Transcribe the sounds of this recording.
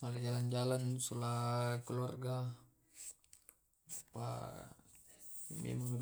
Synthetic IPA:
makad͡ʒaland͡ʒalansulakulɔrɡa | pa̰ | mḛmaŋ

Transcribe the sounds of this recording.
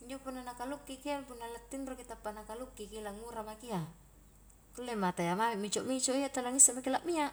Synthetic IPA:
iɲd͡ʒopunːanakalukːikiapunːalat̪ːinrokit̪apːanakalukːikilaŋuɾamakia | kulːemat̪ajamamiʔmit͡ʃɔʔmit͡ʃoʔijat̪alaŋisamakilaʔmia

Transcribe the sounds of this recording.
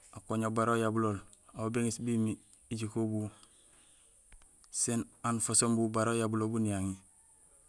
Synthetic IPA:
akoɲobaɾojabuloːl | aobeŋisbimi | iɟikobu | senanfosombubaɾojabulobunijaŋi

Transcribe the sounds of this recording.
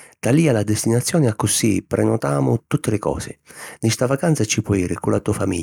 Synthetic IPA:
t̪aliːalad̪est̪inat̪sːjɔːnɪakːʊsipɾʔɛnɔt̪aːmʊt̪ut̪ːelɪkɔ̰ːsɪ̰nist̪avakansat͡ʃːipɔiːɾɪkulat̪uːafamḭʎː

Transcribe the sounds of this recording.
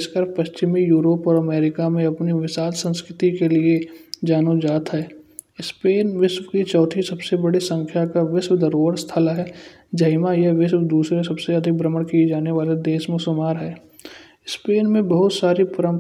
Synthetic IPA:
skəɾpɐst͡ʃɪmijuːɾoːpɔːɾɐmeːɾɪkamẽɐpniʋɪsaːlsə̃nskɾɪt̪ikelied͡ʒaːnod͡ʒaːt̪ɦɛː | ɪspeːnʋɪswkit͡ʃɔːt̪ʰisɐbsebɐɽisə̃ŋkʰjakaʋɪswd̪ɐɾoːəɽst̪ʰalaɦɛː | d͡ʒɐɦɪmajɐɦʋɪswd̪uːsɾesɐbseɐd̪ʱɪk̚bɾəməɽkied͡ʒaːneʋaːled̪eːʃmẽsʊmaːɾɦɛː | ɪspeːnmẽbɐɦʊt̪saːɾipʊɾə̃m

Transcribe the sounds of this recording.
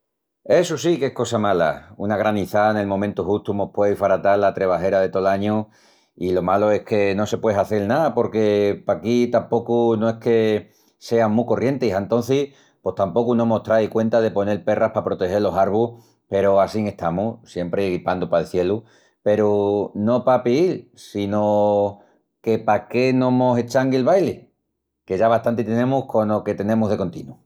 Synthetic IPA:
e̞susike̞hko̞samala̰ṵnaɣ̞ɾaniθane̞lmõ̞mẽnt̪uxust̪umopweifaɾat̪alːat̪ɾe̞β̞aɦe̞ɾaðe̞t̪o̞laɲu | ilo̞malo̞e̞hke̞no̞se̞pweɦaθelnaðapo̞ɾke̞pakit̪ampo̞kunoe̞hke̞ | se̞aŋmuko̞rje̞nt̪esaent̪õ̞n̟θi | pwo̞st̪ampo̞kunoemoht̪ɾaikwe̞nt̪að̞e̞po̞ne̞lpe̞rahpapɾo̞t̪e̞xe̞lo̞saɾβuh | pe̞ɾoasiŋe̞st̪amusje̞mpɾeɣɾipand̪upaelθje̞lu | pe̞ɾuno̞papiilsino | ke̞pake̞nomoset͡ʃaŋɡielβajle | ke̞ʝaβaht̪ant̪it̪e̞nẽ̞muhko̞no̞ke̞t̪e̞nẽ̞muɦðe̞ko̞nt̪ḭnu

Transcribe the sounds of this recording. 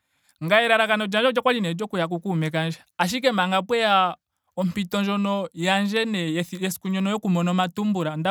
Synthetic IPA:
ŋɡaɛɾaɾakanɔd͡ʒand͡ʒɔd͡ʒɔkwad͡ʒinɛd͡ʒɔkujak̬ukumɛkand͡ʒɛaʃ̬ik̬ɛmaŋɡapwɛja | ɔmpitɔnd͡ʒɔnɔjand͡ʒɛnɛjɛsi̥kuɲɔnɔjɔkumɔnɔmatumbuɾanda

